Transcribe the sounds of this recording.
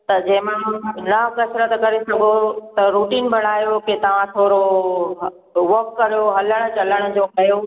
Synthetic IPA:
t̪ɐd͡ʑɐ̃ɦɪ̃mãlɐɦkɐsɾət̪kɐɾesɐɡʱot̪ɐɾuːʈiːnbʱɐɽ̤̃aːjoket̪ɐʋ̤ãt̪ʰoːɾo | ʋɐɾkːɐɾijoɦɐləɽ̃ʊ̆t͡ɕɐləɽ̃ʊ̆d͡ʑoːkɐjo

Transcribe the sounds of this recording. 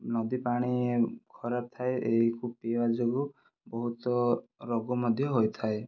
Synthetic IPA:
nɔd̪ipaɽ̃ikʰɔɾap̚t̪ʰaeʔeɦikupebad͡ʒɔɡu | bɔɦut̪ɔɾɔɡɔmɔd̪ʱjɔɦojt̪ʰae

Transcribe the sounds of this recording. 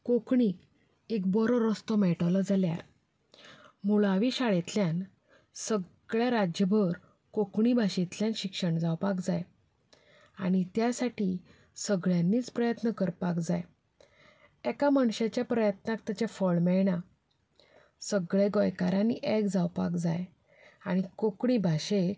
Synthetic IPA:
kokɳi | ekbɔɾɔɾɔst̪ɔmɛʈləd͡zalja̰ɾ | muɭaʋiɕaɭet̪ljan | səɡɭjaɾad͡ʑjəbʱəɾ | kokɳibʱaɕit̪ljãnɕikʂəɳd͡zawpakd͡zaj | aɽ̃it̪jasaʈi | səɡɭjãnːiːt͡spɾəjət̪nəkəɾpakd͡zaj | ɛkamaɳɕet͡ɕjapɾəjət̪nak̚t̪at͡ɕafəɭmɛɭɽa | səɡɭeɡɔjkaɾaniʔekd͡zawpa̰kd͡za̰j | aɽ̃ikokɳ̃ibʱaɕek

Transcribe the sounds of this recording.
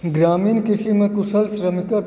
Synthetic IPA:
ɡɾaːmiːnkɪsimẽkʊsəlsɾəmikɐ

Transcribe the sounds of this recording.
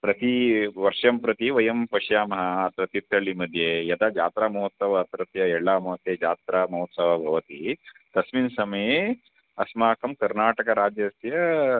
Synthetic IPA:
pɾɐt̪iʋɐɾʂɐmpɾɐt̪iʋɐjɐmpɐʂjaːmɐɦɐːt̪ɾɐt̪it̪ʰːɐɭːimɐd̪ʱjejɐd̪ad͡ʒa̰ːt̪ɾaːmɐɦot̪sɐʋɐːt̪ɾɐt̪jɐɛɭːaːmɐʋɐt̪eːd͡ʒaːt̪ɾaːmɐɦot̪sɐʋɐbʱɐʋɐt̪it̪ɐsminsɐmɐje | ɐsmaːkɐmkɐɾnaːʈɐkɐɾaːd͡ʒjɐsjɐ

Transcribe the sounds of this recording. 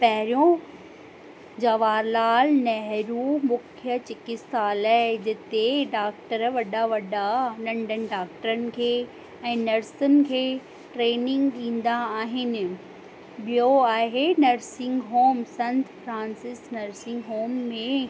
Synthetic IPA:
pɐɦɪɾijõ | d͡ʑɐʋaːɾlaːlnɐɦɾumʊkʰjət͡ɕɪkɪsaːlɛd͡ʑɪt̪eɖaːk̚ʈəɾʋɐɗaʋɐɗanɐ̃ɳɖənɪ̆ɖaːk̚ʈəɾənɪ̆kʰeː | ɛ̃ːnɐɾsənɪ̆kʰeː | ʈɾeːnɪ̃ŋɡɗĩːn̆d̪aːɦɪnɪ̆ | ɓijoaːɦenɐɾsɪ̃ŋɡɦoːmsɐ̃nt̪fɾãːnsɪsnɐɾsɪ̃ŋɡɦoːmːẽ

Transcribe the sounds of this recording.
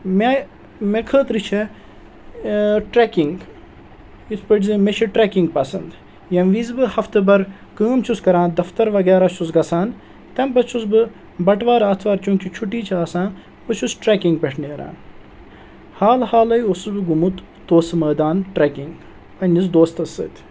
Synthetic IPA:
me | mekʰəːt̪ɾɨt͡ʃʰe | ʈɾeːkiŋɡ | it̪ʰpəʈzɨmet͡ʃʰiʈɾeːkiŋɡpɐsɐnd̪ | jɐnʋizbɨhɐft̪ɨbɐɾ | kəːmt͡ʃʰuskɐɾãːnd̪ɐft̪ɐɾʋɐɡɛːɾat͡ʃʰusɡɐsaːn | t̪ɐmpɐt͡ʃʰusbɨ | bɐʈʋaːɾaːt̪ʰʋaːɾt͡ʃuːŋkʲit͡ʃʰuʈ̬iːt͡ʃʰaːsãːn | pɨt͡ʃʰusʈɾeːkiŋɡpʲeʈʰneːɾa̰ːn | haːlhaːlɐjosɨsbɨɡumut̪ | t̪oːsmɐːd̪aːnʈɾeːkiŋɡ | pɐnʲizd̪oːst̪ɐsɨ̰ːt̪ʲ

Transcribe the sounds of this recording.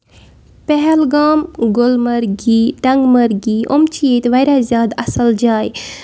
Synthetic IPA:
pɛɦɛlɡaːmɡolmɐɾɡiːʈɐŋɡmɐɾɡiːʔo̰mt͡ʃʰiet̪ʋɐjɾazjaːd̪ɐsəld͡ʒaːj

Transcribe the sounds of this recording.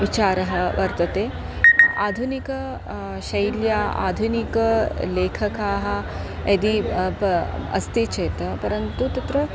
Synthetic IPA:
ʋit͡ʃaːɾɐɦɐ̆ʋɐɾt̪ɐt̪eː | aːd̪ʱunikɐ | ʃɐjljaːa̰ːd̪ʱunikɐleːkʰɐkaːɦɐ̆ | ed̪ipɐ̰st̪it͡ʃeːt̪ɐpɐɾɐnt̪ut̪ɐt̪ɾɐ

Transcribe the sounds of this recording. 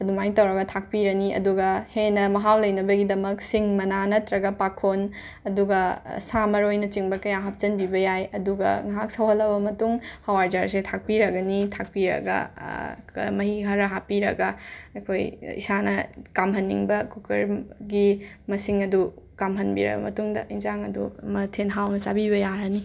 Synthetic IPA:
ɐdumajtɐwɾɐɡɐtʰak̚piɾɐniʔɐ̰duɡɐhenɐmɐɦawlɐjnɐbɐɡidɐmɐksiŋmɐnanɐtɾɐɡɐpakʰon | ɐduɡɐsamɐɾojnɐt͡ʃiŋbɐkɐjaɦap̚t͡ʃɐnbibɐjajɐduɡɐ̰ŋaɦaksɐwɦɐlɐbɐmɐtuŋhɐwaɾd͡ʒaɾsetʰak̚piɾɐɡɐnitʰak̚piɾɐ̰ɡɐ̰ | mɐɦiɦɐɾɐɦapiɾɐɡɐɐkʰojḭsanɐ̰kamɦɐnːḭŋbɐkukɐɾɡimɐsiŋɐdukamɦɐnbḭɾɐ̰bɐ̰mɐtuŋdɐ̰ʔinzaŋɐdumɐtʰenɦawnɐt͡ʃabibɐjaɾɐni

